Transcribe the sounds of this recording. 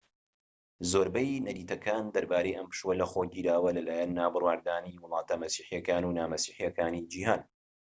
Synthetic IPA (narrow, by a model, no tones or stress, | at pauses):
zoːɾbɐjnɐdiːt̪ɐkaːnd̪ɐɾbaːɾejʔɐmpɨ̥ʃwɐlɐxoɟiːɾaːwɐlɐlaːjɐnːaːbɨrwaːɾd̪aːniːwʊlˠɑːt̪ɐmɐsiːħijɐkaːnuːnaːmɐsiːħijɐkaːniːd͡ʒiːhaːn